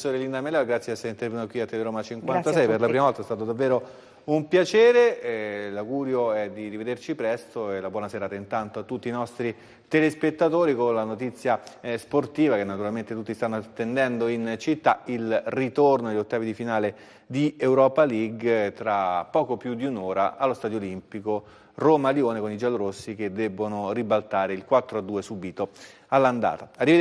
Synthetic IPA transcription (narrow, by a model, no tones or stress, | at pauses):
soːɾelind̪amelɛaɡɾat̪sːjeasːeint̪eɾrvenut̪okwiat̪ːeleɾoːmat͡ʃiŋkwannt̪asɛjperlapɾimavɔlt̪aɛst̪aːt̪od̪avːeːɾo | umpjat͡ʃeːɾelaɡuːɾjoɛd̪irived̪ert͡ʃipɾɛst̪oelabwɔːnaseɾaːt̪aint̪ant̪oat̪ːut̪ːiːnɔst̪ɾi | t̪elespet̪ːat̪oːɾikonlanot̪it̪sːjasport̪iːvak̟enːat̪uɾalment̪et̪ut̪ːist̪anːoat̪ːend̪ɛnd̪oint͡ʃit̪ːailrit̪ornoelːot̪ːaːvid̪ifinaːle | d̪iewɾɔːpaliɡt̪ɾapːɔːkopjud̪iunoːɾa̰alːost̪ad̪jolimpiko | romaljoːnekonid͡ʒaloɾosːik̟ed̪ːɛbːonoribalt̪aːɾeilkwat̪ːɾoad̪ːuːesubit̪o | alːand̪a̰ːt̪aarːive